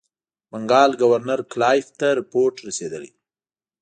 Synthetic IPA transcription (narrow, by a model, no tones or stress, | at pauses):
maŋɡɑlɡawaɾnaɾklɑjft̪aɾɪpoɾʈɾased̪əlḛ